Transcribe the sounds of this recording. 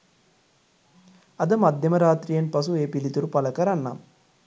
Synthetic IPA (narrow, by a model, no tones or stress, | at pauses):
ɐd̪əmad̪ʱjɐməɾaːt̪ɾijenpɐsueːpilit̪uɾupaləkəɾanːa̰m